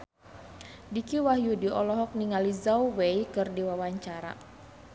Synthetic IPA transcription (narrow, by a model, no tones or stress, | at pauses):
dikiwaɦjudiɔlɔɦɔk̚niŋalizauweikɨrdiwawaɲt͡ʃaɾa̰